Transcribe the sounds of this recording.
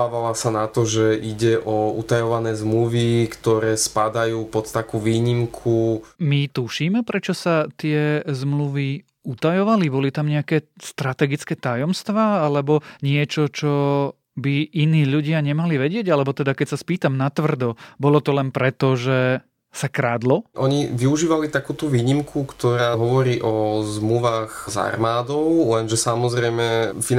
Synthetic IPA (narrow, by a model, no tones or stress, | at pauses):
aːʋalasanat̪ɔʒɛʔiɟɛʔɔṵt̪ajɔʋanɛːzmluʋikt̪ɔɾɛːspad̪ajuːpɔt̪t̪akuːʋiːɲimkʰumit̪uʃiːmɛpɾɛt͡ʃɔsat̪ɪɛzmluʋi | ut̪ajɔʋalibɔlit̪amɲɛakɛːst̪ɾat̪ɛɡit͡skɛːt̪ajɔmst̪ʋaːalɛbɔɲɪɛt͡ʃɔt͡ʃɔ | biʔiniːʎuɟɪaɲɛmaliʋɛɟɪɛɟalɛbɔt̪ɛd̪akɛcsaspiːt̪amnat̪ʋr̩d̪ɔbɔlɔt̪ɔlɛnpɾɛt̪ɔʒɛ | sakɾaːd̪lɔʔɔɲiʋiuʒiːʋalit̪akuːt̪uʋiːɲimkʰukt̪ɔɾaːɦɔʋɔɾiːʔɔzmluʋaːɣza̰rmaːd̪ɔʊlɛnʒɛsamɔzɾɛjmɛfi